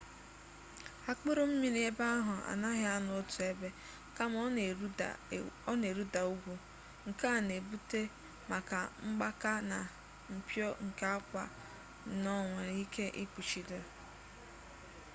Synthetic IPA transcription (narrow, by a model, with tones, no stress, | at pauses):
a˦k͡pʊ˦ɾʊ˦m̩˦mi˨n˦e˦ba˦a˦ɦʊ˨a̰˨na˦ɣɪ˦a˦nʊ˨ʊ˦tu˨e˦be˦ | ka˦m̰˦˨˦ | ɔ˦ne˨ɾu˦da˨u˦ɡʷu˨ | ŋ̩˨ka˦˨ne˨bu˦te˦ | ma˨ka˨ŋ͡m̩˦ɡ͡ba˦ka˦na˨ | m̩˨pjɔ˦ŋ̩˨ka˦a˦kʷa̰˨ | nɔ˦ŋʷe˨ɾi˦kʰe˦ʔɪ˦k͡pu˨t͡ʃi˨do˨